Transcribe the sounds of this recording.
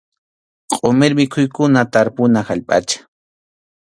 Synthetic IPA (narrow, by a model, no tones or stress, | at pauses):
qʼomeɾmɪkʰʊjkʊnat̪aɾpʊnahaʎpʼa̰t͡ʃḁ